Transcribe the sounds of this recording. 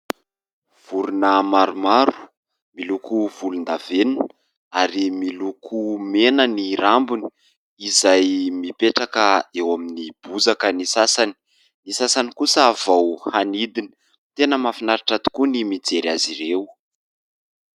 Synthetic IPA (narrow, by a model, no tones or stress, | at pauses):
v̥uɾunəmaɾumaɾu̥ | milukuv̥ulund̪aven | aɾimilukʰumenəniɾambuni̥ | izajmipeʈ͡ʂakəewaminib̥uzakənisasani̥ | nisasanikusəːv̥awhanid̪ini̥ | t̪enəmafinaɾaʈ͡ʂat̪u̥kunimid͡zeɾaziɾew